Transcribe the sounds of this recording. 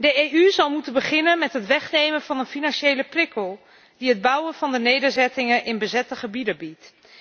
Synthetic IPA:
dəejyzɑlˠmutənbəχɪnənmɛtɦətʋɛχnejmənvɑnənfinɑnʃejləprɪkəlˠ | diɦəd̚bʌwənvɑndənejdəɹzɛtɪŋənʔɪnbəzɛtəχəbidəbit

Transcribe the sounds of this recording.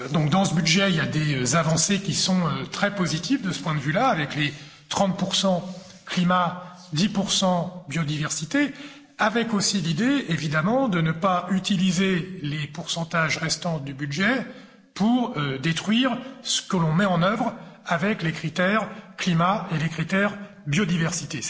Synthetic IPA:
d̪ɔ̃k̚d̪ɑ̃səbyd̪ʒɛiljad̪eøzavɑ̃sekʲisɔ̃øt̪χɛpozit̪ivd̪əsə̥pwɛ̃d̪əvylaːvɛkle | t̪χɑ̃t̪̚puʁsɑ̃ | klima | d̪ipuʁsɑ̃bjod̪ivɛʁsit̪e | avɛkosilid̪eevid̪amɑ̃d̪ənəpayt̪ilizelepuʁsɑ̃t̪aʒʁɛst̪ɑ̃d̪ybyd̪ʒɛ | puʁød̪et̪χɥiʁsə̥kəlɔ̃mɛɑ̃nœvʁavɛklekχit̪ɛʁklimaelekχit̪ɛʁ | bjod̪ivɛʁsit̪e

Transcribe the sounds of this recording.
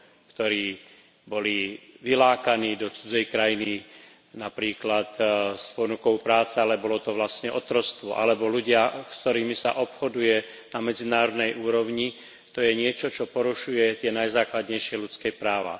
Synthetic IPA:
kt̪ɔɾiː | bɔliʋilaːkaniːd̪ɔt͡sud͡zɛjkɾajini | napɾiːklat̪spɔnukɔʊpɾaːt͡sɛalɛbɔlɔt̪ɔʋlascɲɛʔɔt̪ɾɔst̪ʋɔʔalɛbɔluɟɪakst̪ɔɾiːmisa̰ʔɔpxɔd̪ujɛ | namɛd͡zinaːɾɔd̪nɛjʔuːɾɔʊɲi | t̪ɔjɛɲɪɛt͡ʃɔt͡ʃɔpɔɾuʃujɛt̪ɪɛnajzaːklad̪ɲɛjʃɪɛlut͡skɛpɾaːʋa̰

